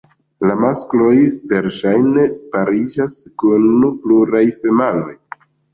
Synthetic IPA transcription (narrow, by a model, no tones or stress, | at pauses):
lamasklo̞jve̞ɾʃajne̞paɾid͡ʒaskunpluɾajfe̞malo̞j